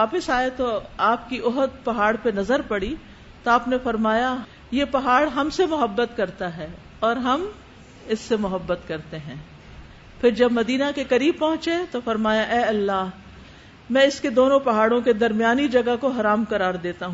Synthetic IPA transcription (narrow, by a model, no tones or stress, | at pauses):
aːpəsaːet̪oaːpkiʔʊɦəd̪̚pɐɦaːɽpenɐzəɾpɐɽi | t̪oaːpnefɐɾmaːja | jepɐɦaːɽɦɐmsemʊɦəbːət̪kɐɾt̪aɦɛː | ɔːɾɦɐm | ɪsːemʊɦəbːət̪kɐɾt̪eɦɛ̃ː | pʰɪɾd͡ʒɐbmɐd̪iːnakekɐɾiːb̚pɐɦʊ̃t͡ʃet̪ofɐɾmaːjaʔɛːɐlːaː | mɛ̃ːɪsked̪oːnõpɐɦaːɽõked̪ɐɾmijaːnid͡ʒɐɡakoɦɐɾaːmkɐɾaːɾd̪eːt̪aɦũː